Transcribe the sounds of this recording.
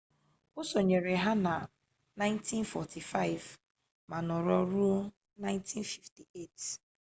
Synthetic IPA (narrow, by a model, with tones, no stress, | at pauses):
ʊ˦so˨ɲe˨ɾe˨ɦa˦na˨ | nã˦ɪ̃˦nti˦nfɔ˨tʰi˨fa˦ɪ˨v | ma˨nɔ˨ɾɔ˦ɾu˦ | na˦ɪ̃˦ntʰi˦nfi˨fti˨e˦˨t